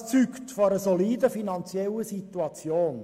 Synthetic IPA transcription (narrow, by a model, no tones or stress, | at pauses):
t͡syktfɔɾəsoliːdəfinɑnt͡sjɛləsit̪uɑt͡sjoːn